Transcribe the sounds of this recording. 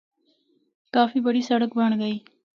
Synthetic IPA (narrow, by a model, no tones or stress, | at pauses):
kɑːfibaɽisaɽak̚baɳɡaj